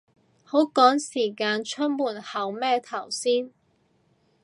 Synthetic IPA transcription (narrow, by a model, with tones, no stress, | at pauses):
ho˨˥wkɔː˨˥ŋsiː˨˩kaː˧nt͡ʃʰɵ˥t̚muː˨˩nhɐ˨˩wmɛː˥˧t̪ʰɐ˨˩wsiː˥n